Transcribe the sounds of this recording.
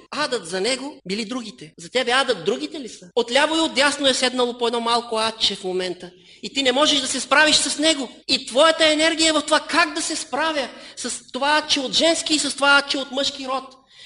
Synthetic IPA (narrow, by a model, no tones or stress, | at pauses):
ad̪ɐt̪zɐnɛɡobilid̪ɾuɡʲit̪ɛzɐt̪ɛbɛad̪ɐt̪̚d̪ɾuɡ̟it̪ɛlisəot̪lʲavoiot̪ʲjasnoɛsɛd̪nɐlˠopoɛd̪nɔmalˠkoat̪t͡ʃɛfmomɛnt̪ə | it̪inɛmɔʒɛʃd̪ɐsɛspɾaviʃsɐsnɛɡoit̪vɔjɐt̪əɛnɛɾɡʲijəɛvɐft̪ovakaɡd̪ɐsɛspɾavʲjɐsɐst̪ovaat̪̚t͡ʃɛot̪ʒɛnskiːsɐst̪ovaat̪̚t͡ʃɛot̪mɤʃkiɾɔt̪